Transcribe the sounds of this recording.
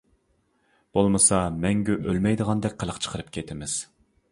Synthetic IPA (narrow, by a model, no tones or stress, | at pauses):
b̥olˠmɨsɑmɛŋɡʲyʔølmɛjd̪əʁɑnd̪ɛk̚ʲqʰəlˠəqt͡ʃʰə̥qʰəɾɨpkʲʰet̪ʰɪmɪz̥